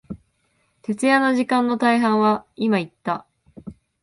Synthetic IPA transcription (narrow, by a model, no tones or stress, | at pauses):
t̪e̞t͡sɨjanoʑikãnːo̞t̪aiɦãɰ̃βaimait̪ːa